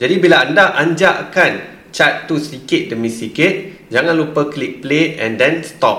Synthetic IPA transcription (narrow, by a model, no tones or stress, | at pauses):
d͡ʒadibilaandahʔaɲd͡ʒaakan | t͡ʃat̪ːusikɪt̪̚dəmisikɪt̪̚ | d͡ʒaŋãnlupəklik̚plet̪̚ɛ̰̃ndɛnst̪ɔp̚